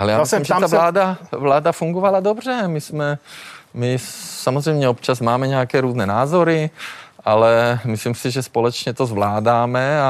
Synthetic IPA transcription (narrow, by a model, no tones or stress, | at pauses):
ɛlɛjaːmimʒɛt̪avllaːd̪avlaːd̪afuŋɡovalad̪obr̝ɛmismɛmisamozrɛjmɲɛop̚t͡ʃazmaːmɛɲɛakɛːɾuːznɛːnaːzoɾiʔalɛmislimsiʒɛspolɛt͡ʃɲɛt̪ozvlaːdaːmɛa